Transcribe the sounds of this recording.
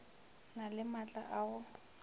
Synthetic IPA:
nalɪmat͡ɬʼa̰ʔaʊ

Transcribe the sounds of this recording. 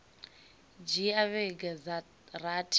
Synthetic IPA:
d͡ʒiaβɛɡaz | ratʰʼ

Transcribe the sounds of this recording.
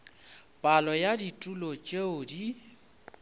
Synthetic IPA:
pʼalɔjaditʼulot͡ʃʼeʊdi

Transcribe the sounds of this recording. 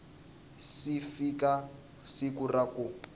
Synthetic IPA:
sifika | sikuraku

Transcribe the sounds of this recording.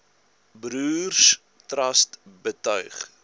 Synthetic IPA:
bɾuːrs | trɐstbətœɥχ

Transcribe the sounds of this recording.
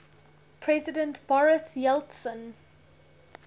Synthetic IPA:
pʰɹɛzɪdə̃ntbɔɹɪsjɛltsə̃n

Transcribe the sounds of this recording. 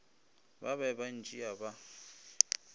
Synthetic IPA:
ba̰βɛband͡ʒʼiaba

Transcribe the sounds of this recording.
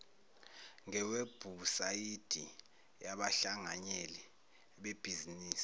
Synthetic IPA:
ŋɛweb̥ʱusajid̥ʱi | jaɓaɬaŋaɲɛlɛ | ɓeb̥ʱiziniːsi̥

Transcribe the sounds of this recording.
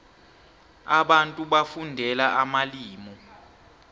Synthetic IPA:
aɓantʼuɓafundʱɛlaʔamaliːmɔ

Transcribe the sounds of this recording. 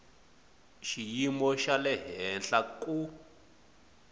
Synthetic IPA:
ʃijimɔʃalɛɦɛnɬakʼu

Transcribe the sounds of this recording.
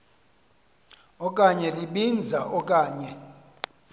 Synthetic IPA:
ɔk̬ʼaɲɛliɓind͡zʱaʔɔk̬ʼaːɲɛ

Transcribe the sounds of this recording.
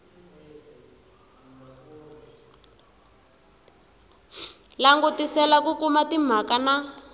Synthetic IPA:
laŋɡutisɛlakukumatim̤akana

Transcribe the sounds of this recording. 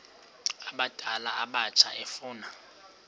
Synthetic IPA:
aɓad̥ʱalaaɓat͡ʃʰaʔɛfʊːna

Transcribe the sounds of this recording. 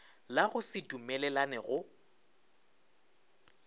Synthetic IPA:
laɣʊsɪdumɛlɛlanɛɣʊ

